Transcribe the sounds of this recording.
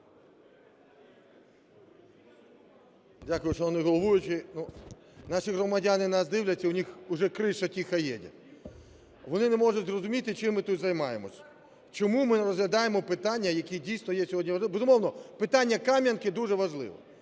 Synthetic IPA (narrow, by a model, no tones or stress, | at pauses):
dʲakʊjʊʃt͡ʃɔɔnɪɦɔlˠɔʋujʊt͡ʃɪnu | nɑʃiɦrɔmɐdʲanɪnɑsd̪ɪwlʲɐtʲːɐʊnʲixʊʒɛkɾɪʃɐtʲixɐjɛ̰dʲɐ̰ | ʋɔnɪnɛmɔʒʊdʲzrɔzʊmʲit̪ɪt͡ʃɪmːɪt̪ut̪ʲzɐjmɑjemɔsʲɐ̥ | t͡ʃɔmumɪneɾɔzɦlʲɐd̪ɑjemɔpɪt̪ɑnʲːɐjɐkʲidʲijsnɔjɛsʲɔɦɔdʲnʲiʋɐlˠɪbezʊmɔʋnɔpɪt̪ɑnʲːɐkɑmʲjɐnkɪd̪uʐɛʋɐʒlˠɪ̰ʋɔ̰